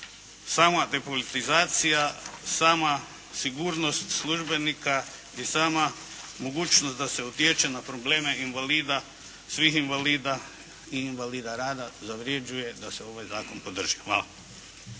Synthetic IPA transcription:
saːmad̪e̞po̞lit̪izaːt̪sijasaːma | siɡuːɾno̞st̪slˠuʒbe̞nika | isaːma | mo̞ɡuːt͡ʃnost̪d̪aseut̪jet͡ʃe̞napɾo̞ble̞ːme̞inʋaliːd̪a | sʋixinʋaliːd̪a | iːnʋaliːd̪aɾaːd̪azaʋɾje̞d͡ʒuje̞d̪aseo̞ʋajzaːko̞npo̞d̪r̩ʒ̥ixʋa̰ːlˠa

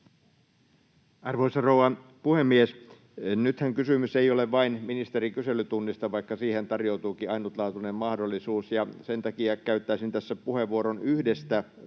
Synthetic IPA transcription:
ɑrʋoisɑrowɑpuhemːies | nyt̪hæŋkysymyseioleʋʋɑinminist̪eɾikyselyt̪unːist̪ɑʋɑikːɑsiːhent̪ɑrjout̪uːkiɑinut̪lɑːt̪unemmɑhdolːˑisuːsjɑsent̪ɑkiɑkæyt̪ːæisint̪æsːæpuheʋːuoɾonyhdest̪æ

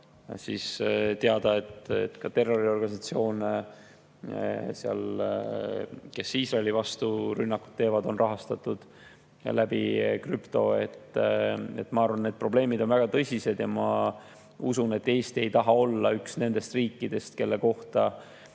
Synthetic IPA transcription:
siːst̪eɑd̪̥ɑe̞t̪ḛt̪ːkɑt̪e̞rːo̞ɾio̞rɡ̥ɑnʲisɑt̪sio̞ːne | seɑ̰l | ke̞siːsrɑelivɑst̪uɾynːɑkːu̥t̪ːe̞ːvɑd̪o̞nrʔɑɦɑst̪ɑt̪ːˑud̪̥ | læb̥ikrypt̪o̞e̞̰t̪ː | e̞̰t̪ːmɑɑrvɑnːe̞d̪̥̚pro̞ble̞ːmid̪̥o̞nvæɡ̥ɑt̪ɤsʲise̞d̪jɑmɑ | usune̞t̪ːe̞ːst̪iejt̪ɑɦɑo̞lːɑyksne̞nd̪̥e̞st̪riːkːid̪̥e̞st̪ke̞lːe̞ko̞ht̪ɑ

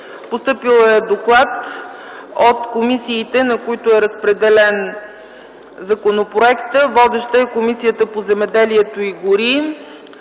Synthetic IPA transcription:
post̪ɤpilˠɛd̪oklˠat̪ | ot̪komisiːt̪ɛnɐkoit̪ʊɛɾəspɾɛd̪ɛlɛn | zɐkonopɾoɛkt̪əvɔd̪ɛʃt̪əɛkomisijət̪əpozɛmɛd̪ɛliɛt̪oiɡʊɾi

